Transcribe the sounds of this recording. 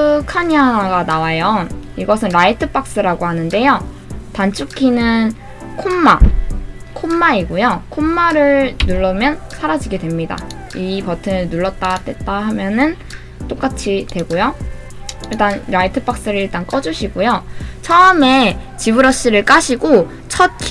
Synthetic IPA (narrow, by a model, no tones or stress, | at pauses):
ɯkʰaɲiaɡanawajʌiɡʌsʰɯnɾaitʰɯp͈ak̚s͈ɯɾaɡoɦanɯnde̞jo | tant͡ɕʰukʰinɯn | kʰomːa | kʰomːaiɡojokʰomːaɾɯɭnuɭːɯmjʌnsʰaɾad͡ʑiɡedwe̞mɲida̰ | ipʌtʰɯnɯnuɭːʌt̚t͈adwe̞t̚t͈aɦamjʌnɯn | t͈ok͈at͡ɕʰitwe̞ɡojo | iɭt͈anɾaitʰɯ̥p͈ak̚s͈ɯɾɯɭiɭt͈ank͈ʌd͡ʑuɕʰiɡojot͡ɕʰʌɯme̞t͡ɕibɯɾʌɕ͈iɾɯɭk͈aɕʰiɡo | t͡ɕʰʌt̚kʰ